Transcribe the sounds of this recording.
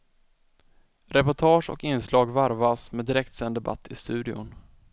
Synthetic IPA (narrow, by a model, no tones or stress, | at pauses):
ɾɛpʊʈʰɑːʂɔ̰kɪnslɑːɡvaɾvasmɛd̪ɪɾɛk̚t̪sɛnd̪ɛba̰t̪ʰːɪst̪ʉ̟ːd̪ɪʊ̰n